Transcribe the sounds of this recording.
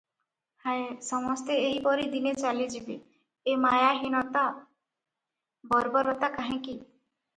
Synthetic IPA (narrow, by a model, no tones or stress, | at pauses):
haesɔmɔst̪eeɦipɔɾid̪inet͡ʃalid͡ʒibe | emajaɦinɔt̪a | bɔɾbɔɾɔt̪akaɦĩki